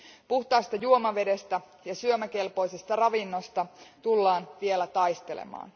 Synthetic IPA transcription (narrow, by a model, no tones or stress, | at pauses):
puht̪ɑist̪ɑjuomɑʋe̞de̞st̪æ | jɑsyømæke̞lpo̞jse̞st̪ɑrɑʋinːost̪ɑt̪ulːɑːnʋielæt̪ɑjst̪e̞lḛmɑ̰ːn